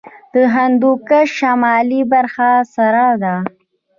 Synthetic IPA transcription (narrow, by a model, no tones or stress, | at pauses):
d̪̥əɦand̪ukaʃamɑlibaɾxasaɾɑd̪a